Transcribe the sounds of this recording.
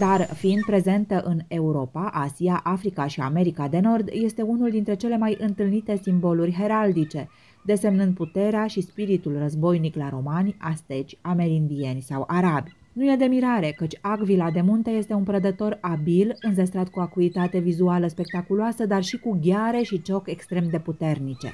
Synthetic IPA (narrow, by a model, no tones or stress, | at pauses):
d̪̥arfiind̪̚pɾe̞ze̞nt̪əʔɨne̞uɾo̞paʔasiaʔafɾikaʃia̰me̞ɾikad̪e̞no̞rd̪je̞st̪e̞unuld̪int̪ɾe̞t͡ʃe̞le̞majʔɨnt̪ɨlnit̪e̞simbo̞lurʲɦe̞ɾald̪it͡ʃe̞ | d̪e̞se̞mnɨnd̪̚put̪e̞ɾeaʃispiɾit̪ulrəzbo̞jniklaɾo̞manʲast̪e̞t͡ʃʲame̞ɾind̪ie̞nʲsawʔaɾabʲ | nuje̞d̪e̞miɾaɾe̞kət͡ʃʲaɡvilad̪e̞munt̪e̞je̞st̪e̞unpɾəd̪ət̪o̞ɾabilɨnzes̬t̪ɾat̪̚kuakuit̪at̪e̞vizualəspe̞k̚t̪akuloasəd̪arʃikuɡʲaɾe̞ʃit͡ʃo̞kʲe̞kst̪ɾe̞md̪e̞put̪e̞rnit͡ʃe̞̰